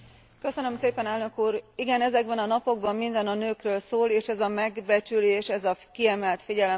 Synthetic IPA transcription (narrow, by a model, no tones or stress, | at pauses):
kø̞sønø̞mseːpɛnɛlnø̞kuːɾiɡɛnɛzɛɡ̚bɛnɒnɒpo̞ɡ̚bɒmːind̪ɛnɒnøːkrøːlsoːleːʃɛzɒmɛɡbɛt͡ʃyleːʃɛzɒkiɛmɛlt̪fiɟɛlɛ